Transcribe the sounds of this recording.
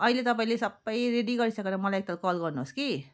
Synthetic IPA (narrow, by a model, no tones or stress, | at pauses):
ʌilet̪ʌp̬aĩlesʌbʌjɾeɖiɡʌɾisʌkenamʌlajek̚t̪alkɔlɡʌrnuski